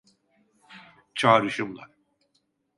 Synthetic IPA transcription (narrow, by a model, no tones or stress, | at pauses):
t͡ʃʰaːɾɯʃɯmlˠa̰